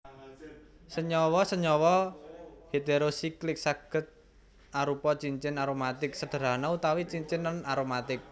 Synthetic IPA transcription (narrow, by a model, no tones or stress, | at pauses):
səɲɔwɔsəɲɔwɔ | het̪eɾosiklɪk̚saɡ̥ə̤t̪̚ | aɾupɔt͡ʃiɲt͡ʃɪnaɾomat̪ɪk̚səɖ̥ə̤ɾa̤naut̪awit͡ʃiɲt͡ʃɪnənaɾomat̪ɪk̚